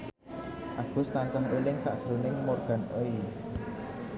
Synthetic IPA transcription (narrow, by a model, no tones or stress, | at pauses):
ʔaɡ̥ṳst̪ansəŋʔelɪŋsa̰ʔsɾunɪŋmɔrɡ̥a̤nʔoj